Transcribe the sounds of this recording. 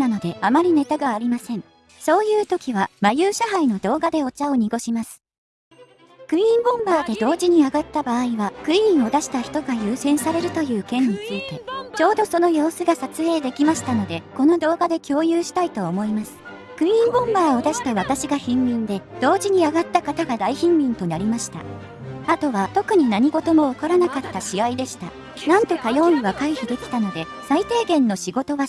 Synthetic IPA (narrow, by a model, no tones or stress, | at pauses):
nano̞d̪e̞amaɾʲine̞t̪aɡaːɾʲimasẽ̞ɴ | so̞ːjɯ̟ːt̪o̞kʲiβamajɯːɕaɦaino̞d̪o̞ːɡad̪e̞o̞t͡ɕao̞ɲ̟iɡo̞ɕimasɨ̥ | kɯ̟ĩmbõ̞mbaːd̪e̞d̪o̞ːʑiɲ̟iaɡat̪ːabaːiβakɯ̟ĩɰ̃o̞d̪aɕi̥t̪açi̥t̪o̞ɡajɯːsẽ̞ɰ̃saɾe̞ɾɯ̟t̪o̞jɯ̟ːkẽ̞ɲ̟ːit͡sɨit̪e̞t͡ɕo̞ːd̪o̞so̞no̞jo̞ːsɨɡasat͡sɨe̞ːd̪e̞kʲimaɕi̥t̪ano̞d̪e̞ko̞no̞d̪o̞ːɡad̪e̞kʲo̞ːjɯːɕi̥t̪ait̪o̞ːmo̞imasɨ̥ | kɯ̟̃ĩŋɡõ̞mbaːo̞d̪aɕi̥t̪aβat̪aɕiɡaçĩmːʲĩnd̪e̞d̪̥o̞ːʑiɲ̟iaɡat̪ːakat̪aɡad̪aiçĩmːʲĩnt̪o̞naɾʲimaɕi̥t̪a̰ | at̪o̞βat̪o̞kɯ̟ɲ̟inaɲ̟iɡo̞t̪o̞mo̞okoɾanakat̪ːaɕiaid̪e̞ɕi̥t̪a̰ | nãnt̪o̞kajõ̞mɯ̟β̞akaiçɯbɯkʲi̥t̪ano̞d̪e̞ | sait̪e̞ːɡẽ̞nːo̞ɕiɡo̞t̪o̞βa